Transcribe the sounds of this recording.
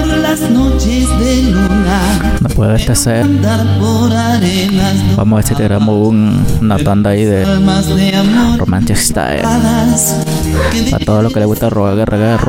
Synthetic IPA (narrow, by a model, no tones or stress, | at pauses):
ɾlasnot͡ʃesd̪eluna | napualat̪asaand̪aɾpoɾaɾe | naswamaat͡ʃat̪əɾamowuŋnat̪and̪aiðelmasd̪eamoromant͡ʃɛst̪a̰ðas | kepa̰t̪aalɔkalawut̪aroaɣarʔaɡar